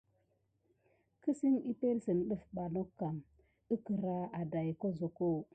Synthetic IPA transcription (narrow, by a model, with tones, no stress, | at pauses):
kə˦si˦ni˦pe˦lsə˨nɗə˦fɓa˨no˦kːa˨m | ə˦kə˨ɾa˦a˨da˨jko˦zo˨ko˦˨